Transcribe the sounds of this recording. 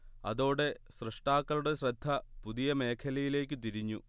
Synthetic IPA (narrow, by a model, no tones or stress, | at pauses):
ɐ̰ðo̞ːɽe̞ | ɕrɨʂʈaːkːɐluɽe̞ɕrɐd̪ʱːɐpuðijɐme̞ːkʰɐlɐjile̞ːk̬ʲːɨt̪iɾiɲːu